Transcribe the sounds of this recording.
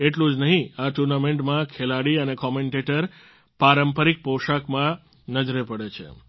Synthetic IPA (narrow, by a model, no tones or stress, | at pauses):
eʈlũd͡ʒnəɦĩaʈuɾnameɳʈmãkʰelaɽiənekɔmeɳʈeʈəɾ | paɾəmpəɾik̚poʃakmã | nəd͡ʒɾepəɽet͡ʃʰḛ